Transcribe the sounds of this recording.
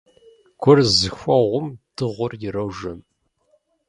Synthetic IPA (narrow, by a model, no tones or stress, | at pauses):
ɡʷʰʊrzɨxʷɐʁʷʊmd̥ɨʁʷʊrjɪrɐwʒɐm